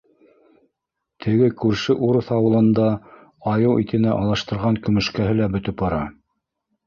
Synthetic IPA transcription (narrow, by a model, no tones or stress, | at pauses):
t̪ʰɘ̆ɡɘkʉɾʃɘʔuɾɤθɑwɤ̆lˠɤ̆nd̪ɑ | ɑjɤwit̪ɘ̆næʔɑlˠɤ̆ʃt̪ɤ̆ɾʁɑŋkɵ̆mɵ̆ʃkæɦɘlæbɵ̆t̪ɵp̚bɑɾɑ